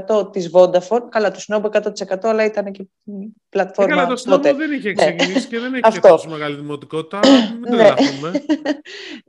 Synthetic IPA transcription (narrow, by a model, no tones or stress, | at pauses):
t̪o̞t̪izvo̞nd̪ɐfo̞nkɐlɐt̪o̥sinobue̞kɐt̪ot̪i̥se̞kɐt̪oɐlɐit̪ɐnece | plɐt̪fo̞ɾmɐsot̪eðeniçekneseðenɐft̪o̞mɣɐliðimot̪ikot̪̚t̪ɐnem